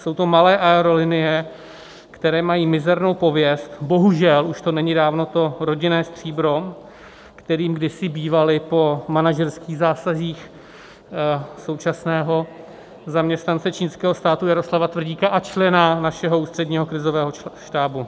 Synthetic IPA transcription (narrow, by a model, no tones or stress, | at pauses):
so̞wt̪o̞malɛːʔaɛɾo̞lɪnɪjɛ | kt̪ɛɾɛːmajiːmɪzɛɾno̞wpo̞vjɛst̪bo̞ɦuʒɛluʃt̪o̞nɛɲɪdaːvno̞t̪o̞ɾo̞ɟɪnɛːst̪r̝̥iːbɾo̞ | kt̪ɛɾiːmɡdɪsɪbiːvalɪpo̞manaʒɛɾskiːɣzaːsaziːx | so̞wt͡ʃasnɛːɦo̞ | zamɲɛst̪nant͡sɛt͡ʃiːnskɛːɦost̪aːt̪ujaɾo̞slavat̪vrɟiːkaʔat͡ʃlɛnanaʃɛɦo̞uːst̪r̝̥ɛdɲiːɦo̞kɾɪzo̞vɛːɦoʃt̪aːbu